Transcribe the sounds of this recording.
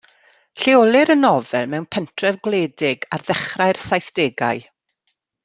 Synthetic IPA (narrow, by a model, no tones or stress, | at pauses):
ɬeɔlˠɪɾənɔvɛlˠmɛwnpʰɛntʰrɛvɡleːdɪɡarðɛχraɨrsajθd̥eːɡa̰ɨ